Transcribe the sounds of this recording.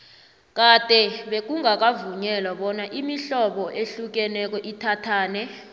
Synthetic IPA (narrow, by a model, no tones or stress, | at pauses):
k̬ʼad̥ʱʼɛɓek̬ʼuŋak̬ʼavuɲɛlaɓɔnaʔimiɬɔɓɔʔeɬuk̬ɛnɛk̬ɔʔitʰatʰaːnɛ